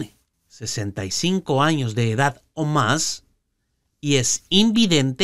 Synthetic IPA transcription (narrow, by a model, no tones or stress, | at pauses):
ne | se̞se̞nt̪ajsiŋko̞aɲo̞zðe̞ːðað | omas | ie̞simbiðe̞nt̪e